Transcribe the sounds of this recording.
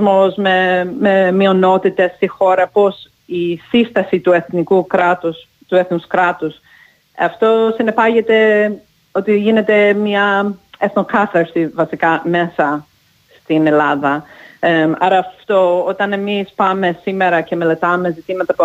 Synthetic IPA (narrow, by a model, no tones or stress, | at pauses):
mozmememio̞no̞t̪it̪est̪ixo̞ɾɐpo̞s | isist̪ɐsit̪ueθnikukɾɐt̪us | t̪ueθnuskɾɐt̪us | ɐft̪o̞sinepɐʝet̪e̞ | ot̪iʝine̞t̪e̞mɲɐeθno̞kɐθɐɾsivɐsikɐme̞sɐ | st̪ine̞lɐðɐ | ɐɾɐːft̪o̞ot̪ɐne̞mispɐme̞simeɾɐce̞me̞le̞t̪ɐme̞zit̪imɐt̪ɐp